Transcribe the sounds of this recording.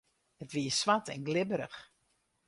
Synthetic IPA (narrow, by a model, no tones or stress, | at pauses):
hətʋiəsʋatʰɛ̰nɡlɪbəɾəx